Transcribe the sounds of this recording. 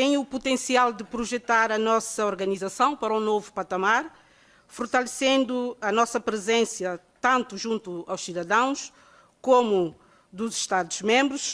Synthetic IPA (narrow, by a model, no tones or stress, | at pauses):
t̪ẽj̃uput̪ẽsialˠd̪ɨpɾuʒɛt̪aɾɐnɔsɐɔɾɣɐnizɐsɐ̃w̃pɐɾɐũnovupɐt̪ɐmaɾ | fuɾt̪ɐlˠɨsẽnd̪uɐnɔsɐpɾɨzẽsjɐt̪ɐ̃nt̪uʒũnt̪uawʃsiðɐðɐ̃w̃ʃ | komu | d̪uzʃt̪aðuʒmẽmbɾuʃ